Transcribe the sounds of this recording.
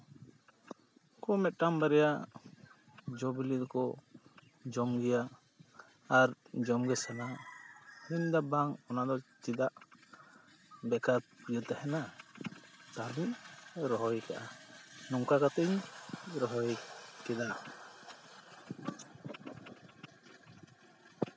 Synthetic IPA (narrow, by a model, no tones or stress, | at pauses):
kɔmɛt̪̚ˀʈambaɾɛja | d͡ʒɔbilid̪ɔkɔ | d͡ʒɔmɡɛjaː | ɾd͡ʒɔmɡɛsana | ɾiɲd̪abaŋɔnad̪ɔt͡ʃid̪aʔ | bɛkaɾpijət̪ɛhɛna | t̪aɾiɲɾɔɦɔjka̰ʔanɔŋkakat̪ɛɲɾɔɦɔjkɛd̪a